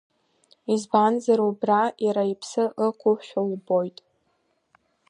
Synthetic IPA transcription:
izbanzaɾubrajaɾaipʰsɨəkʷʰʼʊħʃᶣalbo̞jtʼ

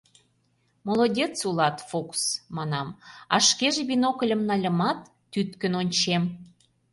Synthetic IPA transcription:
molˠodʲet͡sulɑt̪foksmɑnɑmɑ̰ʃkeʒĕβinokə̆lʲə̆mnɑlʲəmɑt̪ːyt̪kə̆nonʲt͡ɕem

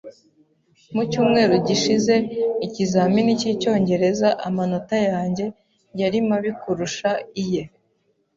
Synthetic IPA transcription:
mucuːmŋe̞ːɾoɟiʃize̞icizaːminicico̞ːɲɟe̞ɾe̞zaʔamano̞tajaːɲɟe̞ | jaɾimaβikuɾuʃaije̞

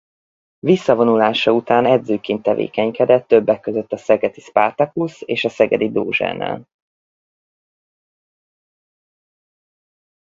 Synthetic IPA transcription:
visːɒvo̞nulaːʃɒut̪aːnɛd̪zøːkeːnt̪ːɛvḛːkɛɲkɛd̪ɛt̪ːøbːɛkːøzø̞t̪ːɒsɛɡɛd̪ispart̪ɒkuseːʃɒsɛɡɛd̪id̪oːʒɛ̰nɛ̰l

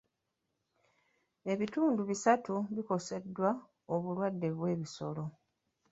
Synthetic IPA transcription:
e̞βituːnduβisatuβiko̞se̞dːwa | oβulwadːe̞βwe̞ːβiso̞lo̞

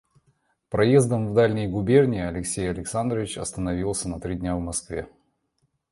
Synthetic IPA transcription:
pɾɐjezd̪əmvd̪alʲnʲɪjɡʊbʲernʲɪːɐlʲɪksʲejɐlʲɪksand̪ɾəvʲɪt͡ɕɐst̪ənɐvʲilˠsʲənɐt̪ɾʲid̪ʲnʲavmɐskvʲe̞̰

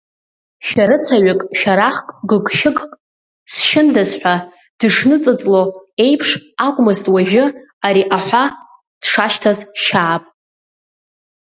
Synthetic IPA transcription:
ʃᶣaɾɨt͡sʰaɥɪkʼʃᶣaɾaχkʼɡɨɡʷʃɪkʼkʼ | sʃɪndazħʷᶣa | d̥ɨʂnɨt͡sʼɨt͡sʼloe̞jpʰʂakʷʼmɨztʼwaʒɪ | aɾiʔaħʷa | d̥ʂaʃtʰazʃaːpʼ

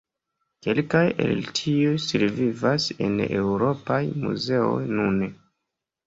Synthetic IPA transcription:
ke̞lkaje̞̰ltʰiujsiɾvivase̞̰newɾo̞pajmṵze̞o̞̰jnune

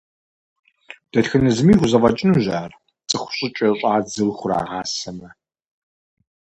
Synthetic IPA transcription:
d̥ɐtxɨnɨzɨmiːxʷʊzɐvɐt͡ʃʼɪnuʑaːr | t͡sʼɨχʷʊ̥ɕʼɪt͡ʃʼɐɕʼaːd͡zɨlxʷʊra̰ːʁaːsɐmɐ

